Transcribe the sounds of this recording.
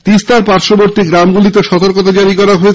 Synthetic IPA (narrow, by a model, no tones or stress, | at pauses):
t̪ist̪aɾpaɾʃoboɾt̪iɡɾamɡulit̪eʃɔt̪oɾkot̪ad͡ʑaɾikɔɾaɦoe